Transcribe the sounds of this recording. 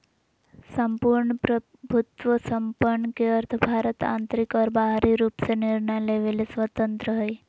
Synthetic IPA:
səmpuɾɳəpɾə | bʱut̪ʋəsəmpəɳːkeəɾt̪ʰəbʱaːɾət̪ã̰nt̪ɾikɔːɾbaɦɾiɾuːpseniɾɳəjleʋelesʋət̪ənt̪ɾəɦəj

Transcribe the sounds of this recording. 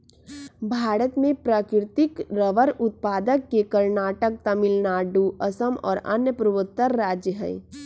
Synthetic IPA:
bʱaːɾət̪mẽpɾaːkɾɪt̪ɪkɾəʋəɾʊt̪̚paːd̪əkːekəɾnaːʈək̚t̪ɐmɪlnaːɖuːʔɐsəmɔ̰ːɾɐ̰njəpɾuʋət̪ːəɾːaːd͡ʒjəɦə̰j

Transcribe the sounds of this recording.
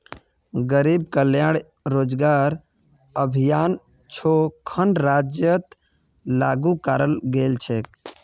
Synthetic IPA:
ɡəɾib̚kəljaɽ | ɾod͡ʒɡaɾ | əbʱijan | t͡ʃʰokʰənɾad͡ʒjət̪ | laɡukaɾəlɡelt͡ʃʰek̚

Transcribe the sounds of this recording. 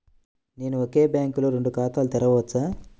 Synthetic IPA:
neːnuokeːbjaːŋkuloɾeɳɖukaːt̪aːlut̪ɛɾɐʋɐt͡sːaː

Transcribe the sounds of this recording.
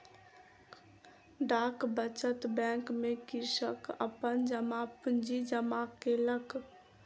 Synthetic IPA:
ɖakbət͡ʃət̪bɛ̃ŋkmekisəkə̰pənd͡ʒəmapund͡ʒid͡ʒəmakelək

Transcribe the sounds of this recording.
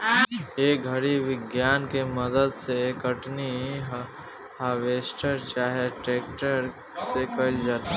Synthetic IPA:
eːkɡʱɐɾiʋɪɡjaːnkeməd̪əd̪sekəʈniɦ | ɦaːʋeːsʈəɾt͡ʃaːɦeʈeːk̚ʈəɾ | sekɐld͡ʒaːt̪i

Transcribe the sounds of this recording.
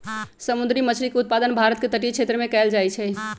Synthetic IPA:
səmud̪ɾimət͡ʃʰɾikeut̪̚pad̪ənbʱaɾət̪̚ket̪əʈit͡ʃʰet̪ɾəmẽkɛld͡ʒajt͡ʃʰɛ

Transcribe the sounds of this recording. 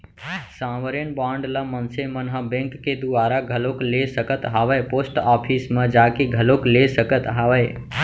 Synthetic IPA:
sãʋəɾenbãːɳɖlamənsemənɦəbẽŋkːed̪uʋaːɾaɡʱəloklesəkət̪ɦaʋəjposʈɔpʰismẽd͡ʒakeɡʱəloklesəkət̪ɦaʋəj

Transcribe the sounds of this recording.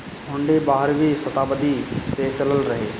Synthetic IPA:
bʱʊɳɖibaːɦəɾbʱisɐt̪aːbəd̪iset͡ʃɐləlɾɐɦḛː

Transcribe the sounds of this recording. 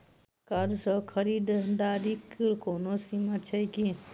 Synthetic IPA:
kɐɾsəkʰəɾiːd̪d̪aːɾikiɾkoːnosimat͡ʃʰɛjki

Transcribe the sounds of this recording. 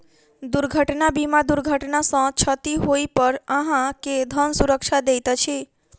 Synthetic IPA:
d̪uɾɡʱəʈnabimad̪uɾɡʱəʈnasə̃t͡ʃʰət̪iɦoipəɾəɦãked̪ʱənsuɾəkʃad̪ejt̪at͡ʃʰe

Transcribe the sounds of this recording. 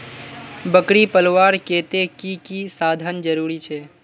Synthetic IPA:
bəkɽipəlʋaːɾkeːt̪ekikisaːd̪ʱənd͡ʒəɾuːɾit͡ʃʰɛː

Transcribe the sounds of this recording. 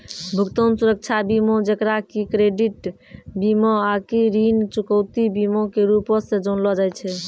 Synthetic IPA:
bʱukt̪onsuɾək̚t͡ʃʰabimõd͡ʒekɾakikɾeɖiʈ | bimɔakiɾint͡ʃukɔwt̪ibimõkeɾupɔsẽd͡ʒonlɔd͡ʒajt͡ʃʰɛ

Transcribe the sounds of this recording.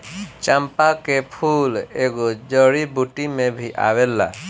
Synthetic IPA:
t͡ʃampakepʰuleɡod͡ʒɔɽibuʈimẽbʱiʔa̰welːa̰

